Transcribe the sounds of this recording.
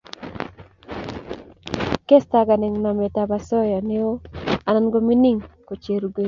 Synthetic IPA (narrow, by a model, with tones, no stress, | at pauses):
ke˦sta˨ɡa˨nɪ˨ŋna˨me˨ta˨ba˨sɔ˦jɔ˨nɪ˦o˦a˨na˦nɡo˦mi˦ni˦ŋko˨t͡ʃe˨ɾu˨ɡe˦